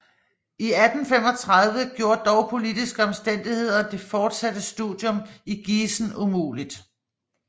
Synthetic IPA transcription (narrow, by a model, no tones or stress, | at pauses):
iæd̥n̩fem̰ɒ̽t͡sʰʁað̞ˠʋəɡ̥jo̝ːɐ̰d̥ɒʊpʰo̝lidisɡ̥əɒ̽msd̥en̰d̥ihe̝ð̞̰ˠɐd̥e̝fɒːd̥sæd̥əsd̥uðˠjɔ̽miɡ̥iːsn̩umṵːlid̥